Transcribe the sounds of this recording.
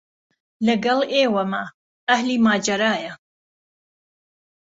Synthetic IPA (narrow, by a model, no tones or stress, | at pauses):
lɐɡɐleːwɐmɐ | ɐhliːmaːd͡ʒɐɾaːjɐ